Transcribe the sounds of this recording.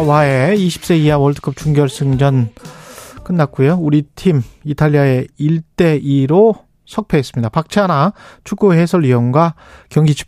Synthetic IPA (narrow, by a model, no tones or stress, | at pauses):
waeiɕʰi̥p̚s͈e̞iawʌɭt͈ʰɯ̥k͈ʌp̚t͡ɕuŋɡjʌɭs͈ʰɯŋd͡ʑʌn | k͈ɯnːak͈ujouɾitʰimitʰaʎːiae̞iɭt͈e̞ʔiɾo | sʰʌk̚pʰe̞ːs͈ɯmɲidapak̚t͡ɕʰeanat͡ɕʰukɡuɦe̞sʰʌɾiʌnɡwa | kjʌŋɡit͡ɕʰ